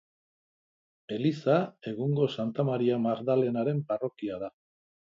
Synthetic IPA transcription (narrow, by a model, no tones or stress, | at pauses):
e̞lisae̞ɣuŋɡo̞sant̪amaɾiamaɾðale̞naɾe̞mparo̞kiað̞a